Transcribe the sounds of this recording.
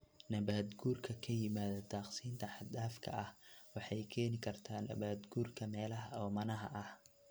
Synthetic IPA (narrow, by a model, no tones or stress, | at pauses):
nɐβaːd̪ɡuːrkʰɐkʰɐjɪmaːðɐd̪aːqsiːnt̪ʰɐħɑd̪aːfkʰɐ̰ʔɐhwɑħɑjkʰɛːnɪkʰɐrt̪ʰaːnɐ̰baːd̪ɡuːrkʰɐmɛːlɐɦɐɔːmɐnɐɦɐ̰ʔɐh